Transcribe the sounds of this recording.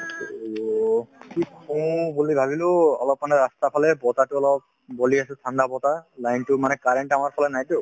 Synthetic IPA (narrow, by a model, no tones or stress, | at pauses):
kikɔ̃bulibʱabilʊɔ̰lɔpmanɛɹast̪apʰalɛbɔtatʊɔlɔp̚ | boliasɛtʰãndabɔtalajntʊmanɛkaɹeɳʈamaɹpʰɔlɛnajtʊ